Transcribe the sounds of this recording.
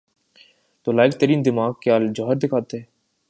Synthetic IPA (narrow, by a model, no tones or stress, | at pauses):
t̪oːlaːɪk̚t̪ɐɾiːnd̪ɪmaːɡ̚kjaːld͡ʒɔɦəɾd̪ɪkʰaːt̪eɦɛ̃ː